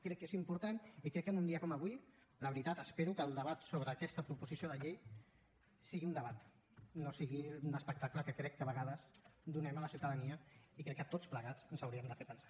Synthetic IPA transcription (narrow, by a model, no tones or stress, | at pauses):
kɾɛkːezimpuɾt̪anikɾɛkːənund̪iəkɔməβui | ləβɾit̪at̪əspeɾukəlˠd̪əβat̪soβɾəːkɛst̪əpɾupuzisioðəʎej | siɣiund̪əβat̪ | nosiɣiunəspək̚t̪akləkəkɾɛkːəβəɣaðəz̥d̪unɛmələsiwt̪əðəniəikɾɛkːət̪ot͡spləɣat͡sənzəwɾiəmd̪əfeɾpənsḁ